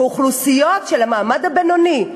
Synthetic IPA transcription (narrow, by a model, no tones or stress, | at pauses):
uχlusijotʃelamaːmad̪abenoni